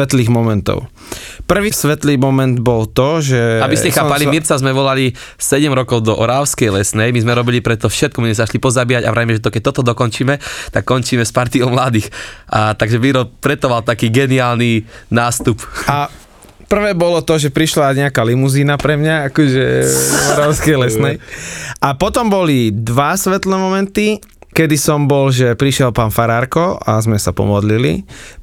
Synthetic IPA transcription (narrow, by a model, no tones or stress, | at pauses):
ʋɛt̪liːɣmɔmɛnt̪ɔ̰ʊ | pr̩ʋiːsʋɛt̪liːmɔmɛnd̪bɔlt̪ɔʒɛabisscɛxaːpalimiɾt͡sazmɛʋɔlali | sɛɟɛmɾɔkɔʊd̪ɔʔɔɾaːʊskɛjlɛsnɛjmizmɛɾɔbilipɾɛt̪ɔfʃɛt̪kɔmizmɛzaʃlipɔzabijaɟa̰ʋɾɛjmɛʒɛt̪ɔkɛc̚t̪ɔt̪ɔd̪ɔkɔnt͡ʃiːmɛt̪akːɔnt͡ʃiːmɛspaɾt̪iɔmlad̪iːxʔat̪aɡʒɛʋiɾɔp̪ɾɛt̪ɔʋalt̪akiːɡɛniaːlninaːst̪upa | pr̩ʋɛːbɔlɔt̪ɔʒɛpɾiʃlaɲɛakalimuziːnapɾɛmɲaakɔʒɛɔɾɔʊskɛjlɛsnɛjʔapɔt̪ɔmbɔlid̪ʋasʋɛt̪lɛmɔmɛnt̪i | kɛd̪isɔmbɔlʒɛpɾiʃjɛlpaːnfaɾaɾkɔa̰zmɛsapɔ̰mɔd̪lilḭ